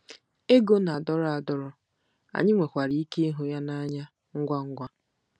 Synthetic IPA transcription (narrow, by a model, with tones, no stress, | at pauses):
e˦ɡo˦na˨dɔ˦ɾa˨dɔ˦ɾɔ˨ | a̰˨ɲɪ˦ŋʷe˨kʷa˨ɾi˨i˦ke˦ɦʊ˨ja˦na˦ɲa˦ | ŋ̩˦ɡʷa˦ŋ̩˦ɡʷa˦